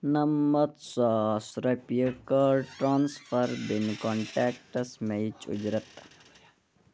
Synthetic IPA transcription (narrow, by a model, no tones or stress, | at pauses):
nɐmːɐt̪saːsɾɐpjəkɐʈɾaːnsfʰɐɾb̪inkɔːɳʈɛːk̚ʈɐsmejt͡ʃṵd͡ʒɾɐt̪